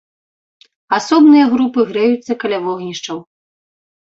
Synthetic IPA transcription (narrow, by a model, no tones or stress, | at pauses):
asɔbnɨjɐɣɾupɨɣɾɛjut̪sːɐkɐlʲavɔɣnʲiʂt͡ʂɐw